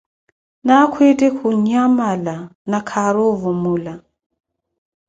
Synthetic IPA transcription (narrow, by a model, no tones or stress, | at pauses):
nakʰwetʼɛkʰuɲamalanakʰaɾovumula